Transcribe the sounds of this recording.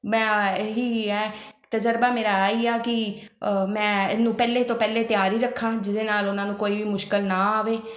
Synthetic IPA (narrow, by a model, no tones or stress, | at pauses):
mɛ̃ːeɦiːɛːt̪əd͡ʒəɾbaːmeːɾaːaːiːaːkɪ | mɛ̃ːɪnũːpɛːleːt̪õːpɛːleːt̪ɪjaːɾiːɾəkʰːaːd͡ʒɪd̪eːnaːlʊnãːnũːkoːiːʋiːmʊʃkəlnãːaːʋeː